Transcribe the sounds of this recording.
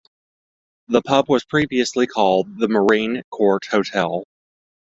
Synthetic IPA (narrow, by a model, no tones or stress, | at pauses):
ðəpʰʌbwʌz̥pʰɹ̥iviɨslikʰɔlˠd̪̚ðəmə˞ĩnkʰɔɹt̚hoʊtʰɛlˠ